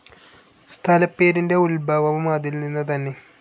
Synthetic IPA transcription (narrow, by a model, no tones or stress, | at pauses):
st̪ʰɐlɐpːe̞ːɾinde̞ulbʱɐːʋɐʋumɐðilninːɐt̪̬ɐnːe̞